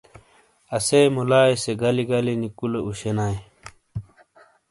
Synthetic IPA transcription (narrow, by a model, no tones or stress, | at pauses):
ɐsejmulaːjseɡɐliɡɐlinikuleuɕenaːj